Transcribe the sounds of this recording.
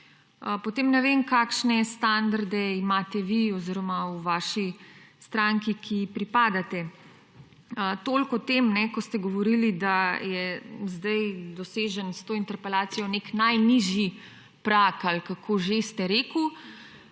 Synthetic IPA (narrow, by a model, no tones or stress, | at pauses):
əpɔt̪eːmnɛʋemkaːkʃnɛst̪and̪aɾd̪ɛimaːt̪ɛʋiɔziɾɔmauʋaːʃist̪ɾaŋkikʰipɾipaːd̪at̪ɛ | ət̪oːlkɔt̪emnɛkɔst̪ɛɡɔʋɔɾilid̪ajɛzd̪ajd̪ɔseːʒənst̪oːint̪ɛɾpɛlaːt̪sijɔneknajniʒji | pɾakalkakʰoːʒest̪ɛɾeːku